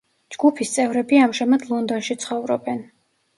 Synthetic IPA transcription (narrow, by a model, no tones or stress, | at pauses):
d͡ʒɡ̥upʰist̪sʼɛvɾɛbiamʃɛmad̪lˠɔnd̪ɔnʃit̪sʰχɔvɾɔ̰bɛn